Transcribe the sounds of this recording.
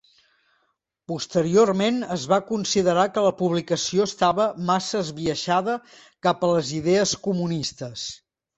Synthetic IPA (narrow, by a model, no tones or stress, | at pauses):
pust̪əɾiormenəzβakunsiðəɾakələpuβlikəsioəst̪aβəmasəːzβiəʃaðə | kapələziðeəskumunist̪əs